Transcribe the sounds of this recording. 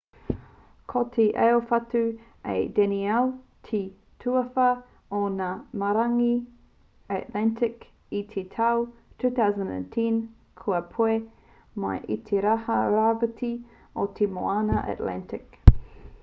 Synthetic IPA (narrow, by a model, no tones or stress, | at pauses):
kʰotʰeʔeofatu | ḛdɛniɛltʰi | tʰuɐfɐ | onamaɾaŋi | atlɛntʰɪk | it̪ʰetʰawtʰuːθawzə̃ndḛtʰĩn | kʰuɐpʰue | ma̰jʔḭt̪ʰeɾahɐɾavətʰi | ot̪ʰemo̰anɐʔa̰tlɛ̰ntɪk